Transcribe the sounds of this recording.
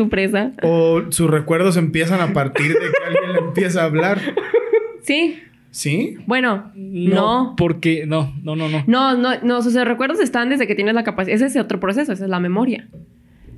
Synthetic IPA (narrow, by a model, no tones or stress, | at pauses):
supɾesaosusrekwe̞ɾðos̬e̞mpje̞s̬anapaɾt̪iɾðekealjenleempje̞s̬aːβlaɾ | si | sibwe̞no̞nnopoɾkenononononononos̬os̬osrekwe̞ɾð̞o̞se̞st̪and̪ezðeket̪jene̞zlakapases̬es̬elot̪ɾo̞pɾo̞s̬e̞soes̬oe̞zlame̞mo̞ɾja